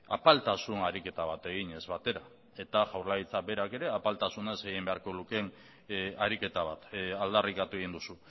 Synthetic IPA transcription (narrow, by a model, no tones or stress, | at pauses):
a̰palt̪asunaɾike̞t̪aβ̞at̪e̞ɣ̞iɲe̞zβat̪e̞ɾa | e̞t̪aʝawɾlaɣit͡sabe̞ɾake̞ɾe̞apalt̪asunaezɡeɣimbe̞aɾko̞luke̞n | aɾike̞t̪aβat̪ald̪arikat̪ue̞ɣind̪usu